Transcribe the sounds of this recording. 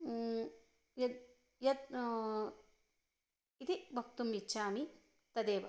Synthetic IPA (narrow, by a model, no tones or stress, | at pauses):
jɐd̪ | jɐt̪ | it̪ibʱɐk̚t̪umːit͡ʃːʃaːmi | t̪ɐd̪eːʋɐ